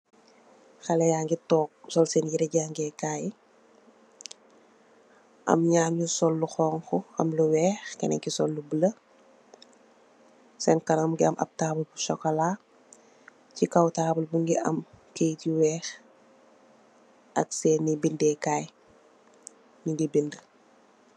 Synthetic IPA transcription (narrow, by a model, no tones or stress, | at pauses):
xɐlɛjaːŋɡitɔːk̚sɔlsɛnjiɾɛɟaːŋɡɛkaːj | ʔɐ̰mɲaːmɲusɔlːuxɔːŋxuɐ̰mluwɛːxkɛ̰nɛ̰ŋkisɔlːubələ | sɛnkɐnɐmɡiɐmʔɐ̰b̚taːbulbuʃɔkɐlaː | cikɐwtaːbulbuŋɡiʔɐ̰mkejtiwɛːx | ʔɐk̚sɛːnibindɛːkaːj | niŋɡibində